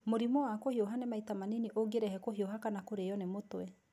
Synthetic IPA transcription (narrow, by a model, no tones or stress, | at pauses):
moɾimɔwakohioɦanɛmaitamaniniʔoɡeɾɛhɛkoɦioɦakanakoɾejɔnemotwɛ